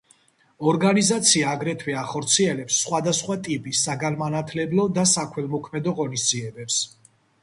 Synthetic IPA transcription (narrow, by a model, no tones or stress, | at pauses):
ɔɾɡanizat̪sʰiaːɡɾɛt̪ʰwɛaχɔɾt̪sʰiɛlɛpsːχwad̪asχwat̪ʼipʼisaɡanmanat̪ʰlɛblˠɔd̪asakʰwɛlˠmɔkʰmɛd̪ɔʁɔnisd̪ziɛbɛps